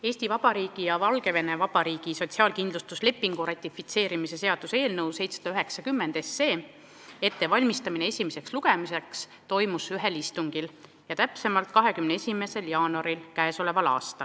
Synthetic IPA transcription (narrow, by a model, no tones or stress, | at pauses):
e̞ːsʲt̪ivɑb̥ɑɾiːɡ̥ijɑvɑlɡe̞ve̞ne̞vɑb̥ɑɾiːɡ̥iso̞t̪ʲsiɑːlkind̪lust̪usle̞pːˑiŋɡ̥urɑt̪ʲˑːifːit̪se̞ːɾimise̞se̞ɑd̪̥use̞ːlnɤwse̞jt̪sesɑd̪̥ɑyɦe̞ksɑkymːe̞nd̪̥e̞sːe̞ː | e̞t̪ːe̞vɑlʲmist̪ɑmine̞e̞sʲimese̞ksluɡ̥e̞mise̞ks | t̪o̞jmusyɦe̞list̪uŋɡ̥il | jɑt̪æpse̞mɑlt̪̚kɑɦe̞kymnee̞sʲime̞se̞ljɑːnuɑɾilkæeso̞le̞vɑlɑ̰ːst̪ɑl